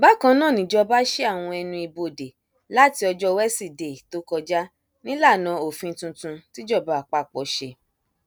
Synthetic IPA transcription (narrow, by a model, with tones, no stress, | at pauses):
ba˨˦kã˧˦nãː˦˨nĩ˨d͡ʒɔ˧ba˦ʃe˦a˦˨w̃ɔ̃˧ɛ˧nũ˧i˧bo˧˨de˨ | la˦ti˧˦ɔ˧d͡ʒɔ˦wɛ˦si˦˨de˨to˦kɔ˧d͡ʒa˦ | nĩ˦la˦˨nã˨˦o˨fĩ˧˦tũ˧tũ˧ti˦d͡ʒɔ˦˨ba˨a˨k͡pa˦˨k͡pɔ˨˦ʃe˧